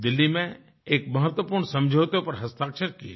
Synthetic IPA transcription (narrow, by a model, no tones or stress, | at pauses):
d̪ɪlːimẽ | eːk̚məɦət̪wəpuɾɳsə̃md͡ʒʱowt̪opɐɾɦəst̪aːkʃəɾkiḛ